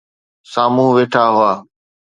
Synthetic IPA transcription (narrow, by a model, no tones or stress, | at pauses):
saːmũːʋeːʈʰaːɦʊaː